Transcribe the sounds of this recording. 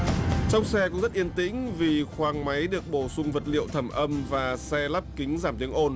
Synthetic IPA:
t͡ɕɔ˧wŋ͡msɛ˧kʊ̰˧˥ŋ͡mzə˦˥t̚ʔi˧ənt̪ḭ̈˧˥ŋ̟vi˨˩xwaː˨˩ŋma˨˦jɗɨ˨˩ək̚ɓo˧˩sʊ˧ŋ͡mvə˨˩t̚lḭ˧˨əwt̪ʰə˧˩mʔə˧mvaː˨˩sɛ˧la˦˥p̚kï˨˦ŋ̟zaː˧˩mt̪i˨˦əŋʔo˧n

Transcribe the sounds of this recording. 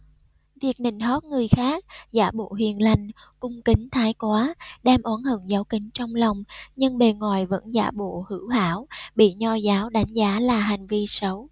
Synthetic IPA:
vi˨˩ək̚nï˧˨˩ŋ̟ɦɔ˦˥t̚ŋɨ˨˩əjxaː˦˥k̚zaː˧˩ɓo̰˧˨ɦwḭ˧˨˩ənla˨˩jŋ̟ | kʊ˧ŋ͡mkï˨˦ŋ̟t̪ʰaː˨˦jkwaː˨˦ɗɛ˧mʔɔː˨˦nhɨ̰˧˩ŋzaː˨˦wkï˨˦ŋ̟t͡ɕɔ˧wŋ͡mla˨˩wŋ͡mɲɨ˧ŋɓe˨˩ŋwa̰ː˧˩˨jvə̰˧˥nza̰ː˧˩ɓo̰˧˨hɨ̰˧˩˥wha̰ː˧˥wɓḭ˧˨ɲɔ˧zaː˨˦wɗa˨˦jŋ̟zaː˨˦laː˨˩ɦa˨˩jŋ̟vi˧sə˨˦w

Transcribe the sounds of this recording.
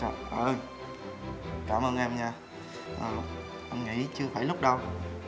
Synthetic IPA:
ʔəː˧˩ | kaː˧˩mʔəː˧nʔɛ˧mɲaː˧ | ʔəː˨˩ | ʔə˧nŋḭ˧˥t͡ɕɨ˧əfaː˧˩jlʊ˦˥k͡p̚ɗə˧w

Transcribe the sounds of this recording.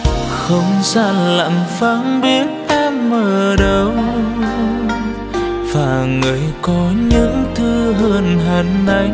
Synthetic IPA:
xə˧wŋ͡mza̰ː˧nla̰˧˨ŋfaː˨˦nɓi˦˥ət̚ʔɛ˧mːəː˨˩ɗə˨˧w | vaː˨˩ŋɨ˨˩əjkɔ˨˦ɲɨ̰˧˥ŋt̪ʰɨ˧ɦəː˧nɦa˨˩nʔa˨˧˦j

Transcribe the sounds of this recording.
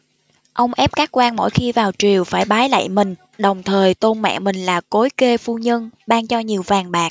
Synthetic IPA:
ʔə˧wŋ͡mʔɛ˦˥p̚kaː˦˥k̚kwaː˧nmo̰˧˥˨jxi˧vaː˨˩wt͡ɕwi˨˩əwfaː˧˩jɓaː˨˦jla̰ː˧˨jmï˨˩ŋ̟ | ɗə˨˩wŋ͡mt̪ʰəː˨˩jt̪o˧nma̰ː˧˨mï˨˩ŋ̟laː˨˩ko˨˦jke˧fu˧ɲə˧nɓaː˧ŋt͡ɕɔ˧ɲi˨˩əwvaː˨˩nɓaː˨˩k̚

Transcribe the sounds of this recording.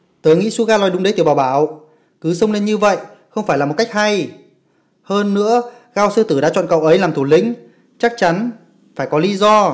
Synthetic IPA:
t̪əː˨˦jŋḭ˧˥su˧ɣaː˧lɔ˨˩jɗʊ˨˦ŋ͡mɗe˨˦t̪i˨˩ɓaː˨˩wɓaː˧˩w | kɨ˨˦sə˧wŋ͡mle˧nɲɨ˧və̰˧˨j | xə˧wŋ͡mfaː˧˩jlːaː˨mo˨˩t̚ka˦˥k̚ha˧j | həː˧nːɨ̰˧˥ə | ɣaː˧wsəː˧t̪ɨ˧˩ɗa̰ː˧˥t͡ɕwɔ̰˧˨nkə̰˧˨wʔə˨˦jlaː˨˩mt̪ʰu˧˩lḭ̈˧˥ŋ̟ | t͡ɕa˦˥k̚t͡ɕa˨˦n | faː˧˩jkɔ˨˦li˨˦zɔ˧

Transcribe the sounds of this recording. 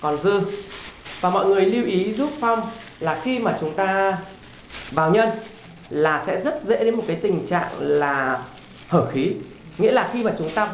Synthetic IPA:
kɔ˨˩nzɨ˧ | vaː˨˩mɔ̰˧˨jŋɨ˨˩əjli˧əwʔi˨˦zu˦˥p̚fɔ˧wŋ͡m | laː˨˩xi˧maː˨˩t͡ɕʊ˨˦ŋ͡mt̪aː˧ | vaː˨˩wɲə˧n | laː˨˩sɛ̰˧˥zə˦˥t̚zḛ˧˥ɗe˨˦nmo˨t̚kaː˨˦jt̪ï˨˩ŋ̟t͡ɕa̰ː˧˨ŋlaː˨˩ | həː˧˩xi˨˦ | ŋḭ˧˥əlaː˨˩xi˧maː˨˩t͡ɕʊ˨˦ŋ͡mt̪aː˧

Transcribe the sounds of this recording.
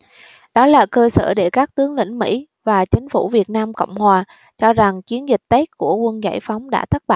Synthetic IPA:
ɗɔ˨˦laː˨˩kəː˧sə̰ː˧˩ɗe˧˩kaː˦˥k̚t̪ɨ˨˦əŋlḭ˧˩ŋ̟mḭ˧˥ | vaː˨˩t͡ɕï˨˦ŋ̟fṵ˧˩vi˨˩ət̚naː˧mkə̰˧˨wŋ͡mhwaː˨˩ | t͡ɕɔ˧za˨˩ŋt͡ɕi˨˦ənzi˨˩k̚t̪e˦˥k̚ku˧˩əkwə˧nza̰˧˩jfa˨˦wŋ͡mɗa̰ː˧˥t̪ʰə˦˥ɓa̰ː˧˨

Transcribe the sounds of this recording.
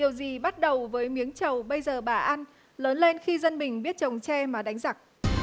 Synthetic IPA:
i˨˩əwzi˨˩ɓa˦˥t̚ɗə˨˩wvəː˨˦jmi˨˦əŋt͡ɕə˨˩wɓə˧jzəː˨˩ɓaː˨˩ʔa˧n | ləː˨˦nle˧nxi˧zə˧nmï˨˩ŋ̟ɓi˦˥ət̚t͡ɕə˨˩wŋ͡mt͡ɕɛ˧maː˨˩ɗa˨˦ŋza˨˩k̚

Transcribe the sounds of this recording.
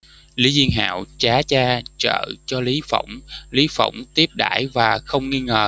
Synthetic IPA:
li˨˦zi˧əŋɦa̰ː˧˨wt͡ɕaː˨˦t͡ɕaː˧t͡ɕə̰ː˧˨t͡ɕɔ˧li˨˦fə̰˧˩wŋ͡mli˨˦fə̰˧˩wŋ͡mt̪i˦˥əp̚ɗa̰ː˧˩jvaː˨˩xə˧wŋ͡mŋi˧ŋəː˨˩

